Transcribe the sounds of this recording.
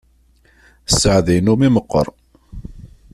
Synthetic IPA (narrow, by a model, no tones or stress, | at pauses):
sːəʕðijnumiməqːə̰ɾˤ